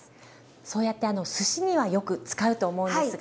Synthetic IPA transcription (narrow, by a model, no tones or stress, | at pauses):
so̞ːjat̪ːe̞ano̞sɨɕiɲ̟iβajo̞kɯ̟t͡sɨ̥kaɯ̟t̪o̞ːmo̞ɯ̟̃nsɨ